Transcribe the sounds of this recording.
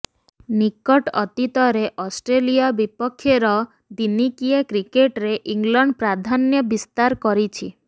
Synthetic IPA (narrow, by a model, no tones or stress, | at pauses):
nikɔʈɔt̪it̪ɔɾeʔɔsʈɾelijabipɔkʰːjeɾɔ | d̪inikiekɾikeʈɾeʔiŋɡlɔɳɖpɾad̪ʱanjɔbist̪aɾkɔɾit͡ʃʰi